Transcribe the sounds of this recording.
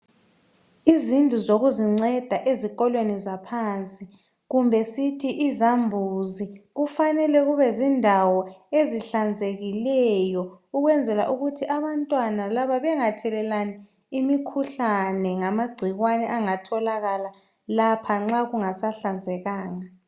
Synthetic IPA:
izind͡ɮʱuzoɣuziŋ͡ǀɛd̥ʱaʔeziɣɔlwenizapʰant͡sʼi | ɣumbʱɛsitʰiʔizambʱuziɣufanɛlɛɣuβɛzindʱawɔeziɬand͡zʱeɣilɛjɔuɣwɛnd͡zʱɛla̰ʔuɣutʰiʔaβantʼwanalaβaβɛŋatʰɛlɛlani | imikʰuɬanɛŋamaɡ͡ǀʱiɣwanɛʔaŋatʰɔlaɣala | lapʰaŋ͡ǁaɣuŋasaɬand͡zʱɛɣaːŋa

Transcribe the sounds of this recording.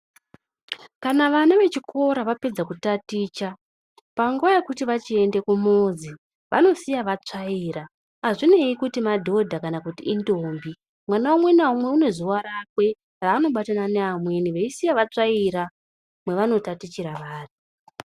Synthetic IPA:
kanaʋanaʋe̞t͡ʃikʰo̞ɾaʋape̞d͡zakutatiːt͡ʃa | paŋɡuʋajekutiʋat͡ʃie̞nde̞kumozi | ʋʔa̰no̞sijaʋat͡ʂaiːɾa | aʐine̞ikutimadʱo̞dʱakanakutiindombi | mwanaumwe̞naumwe̞une̞zuwaɾakwe̞ | raːno̞ɓatananeamwe̞niʋeisijaʋat͡ʂaiɾa | mwe̞ʋano̞tatit͡ʃiɾaʋaːri

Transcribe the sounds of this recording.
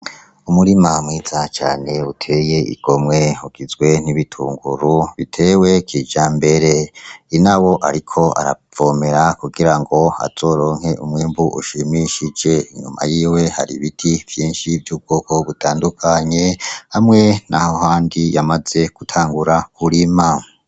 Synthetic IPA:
umuɾimamŋiːz̥at͡ʃa̰ːne̞utʰe̞ːje̞ḭɡ̥o̞mŋe̞uɡ̥izɡwe̞niβitʰuːŋɡuɾuβitʰe̞ːwe̞kʰiːd͡ʒambe̞ɾeinawo̞ʔa̰ɾikʰo̞a̰ɾa̰v̥omeɾakuɡiɾaŋɡo̞a̰z̥o̞ːɾo̞ːŋ̥he̞ʔumŋiːmbuʔuʃimiʃid͡ʒe̞iɲuma̰jiːwe̞haɾiβitʰiv̥jiːnʃivjuːb̚ɡo̞ːko̞βutʰaːndukʰaɲe̞hamŋe̞nahohaːndijamaz̥e̞ɡ̥utʰaːŋɡuɾakʰuɾima

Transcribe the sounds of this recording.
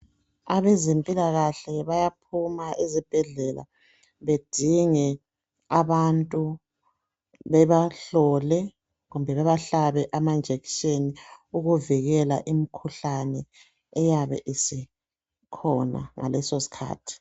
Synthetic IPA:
aβɛzempʼilaɣaɬɛβajap̚ʰumaʔezib̥ʱɛɮɛla̰ | βed̥ʱiŋɛ | aβantʼu | βɛβaɬɔlɛ | ɣumbʱɛβɛβaɬaβɛʔamand͡ʒʱeki̥ʃeniuɣuviɣɛla̰ʔimikʰuɬanɛː | jaβɛ̰ʔisi | kʰɔna̰ŋa̰lɛsosi̥kʰa̰ːtʰi̥

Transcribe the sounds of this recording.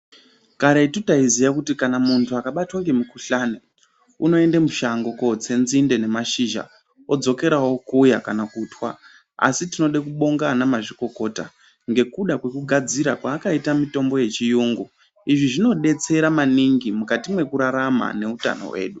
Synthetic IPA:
kaɾeitutaizijakutikanamuntʰuakaɓatwaŋɡe̞mukuɬaːne | uno̞e̞ndamuʃaŋɡo̞ko̞t͡se̞nzinde̞ne̞maʃiʒa̰ | o̞d͡zo̞ke̞ɾawo̞kujakanakutwa | a̰sitino̞ɗekuɓo̞ŋɡaːnamaʐiko̞ko̞ːta̰ | ŋɡe̞kuɗakwe̞kuɡʱad͡ziɾakwaːkaitamito̞mbo̞je̞t͡ʃijuŋɡu | iʐiʐino̞ɗe̞t͡se̞ɾamaniŋɡimukatimwe̞kuɾaɾama̰ne̞uta̰no̞̰we̞̰ːɗu

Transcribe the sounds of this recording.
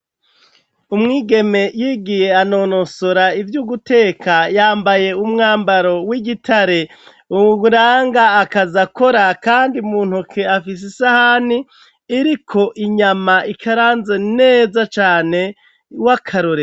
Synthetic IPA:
umŋiːɡe̞me̞jiːɡije̞ano̞ːno̞so̞ɾaivjuɡute̞ːkʰajaːmbaje̞umŋaːmbaɾo̞wiɡitʰaɾe̞ | uuɾaːŋɡaːkazako̞ɾakaːndiumuːn̥hukʰeafis̬isahaniː | ɾikʰo̞ʔiɲamaikʰaɾaːnze̞ne̞ːzat͡ʃaːne̞ | wakʰaɾoɾe

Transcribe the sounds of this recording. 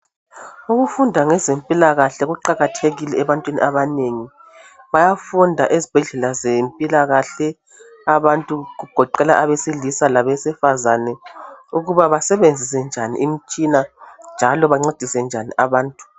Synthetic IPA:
uɣufundʱaŋɛzempʼilaɣaɬɛɣuǃaɣatʰeɣilɛɛβantʼwinḭʔaβaneŋi | βajafundʱaʔezib̥ʱɛɮɛlazempʼilaɣaɬɛ | aβantʼuɣuɡ̥ʱɔǃɛla̰ʔaβesilisalaβɛsifazanɛuɣuβaβasɛβend͡zʱisɛnd͡ʒʱanḭʔim̩t͡ʃʼinand͡ʒʱalɔβaŋ͡ǀed̥ʱisɛnd͡ʒʱanḭʔaβaːntʼu̥

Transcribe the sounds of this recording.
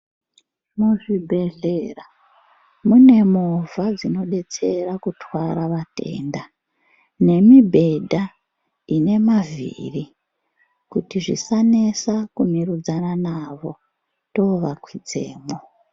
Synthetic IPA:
muʐibʱe̞ɮeːra | mune̞movʱad͡zino̞ɗe̞t͡se̞rakutʰwaɾaʋate̞̰ːnda | ne̞mibʱe̞dʱa | ine̞mavḭri | kutiʐḭsanesakumirud͡zananaʋo̞ | to̞ʋakwid͡zeːmo

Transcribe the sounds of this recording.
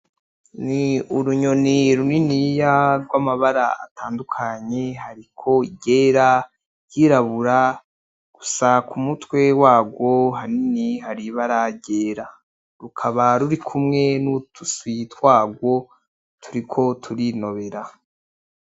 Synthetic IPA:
niuɾuɲo̞niɾuninijaɾɡwamaβaɾaa̰tʰaːndukʰaɲe̞ɦaɾikʰo̞iɟe̞ːɾa | jiɾaβuɾa | ɡ̥usakʰumutwe̞waːɡwo̞ɦaniniɦaɾiβaɾaɟe̞ːɾa | ɾukʰaβaɾuɾikʰumŋe̞nutuswitwaːɡwo̞ | tʰuɾikʰo̞tʰuɾino̞βe̞ɾa

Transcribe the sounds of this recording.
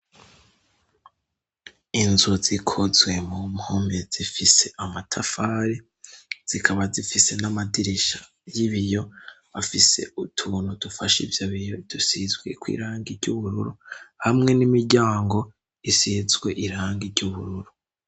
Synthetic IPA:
inzuzikʰozwe̞mumhoːmbez̥ifise̞amatʰafaːɾe | z̥ikʰaβazifise̞namadiɾiʃa | jiβijo̞βafise̞̰ʔutʰuːnudufaʃivjaβijo̞id̥usizɡwe̞̰kwḭːɾaːŋɡiɾɟuβuɾṵɾuhamŋe̞nimiɾɟaːŋɡo̞ | isizɡwe̞ʔiɾaːŋɡiɾɟuβuɾuɾu

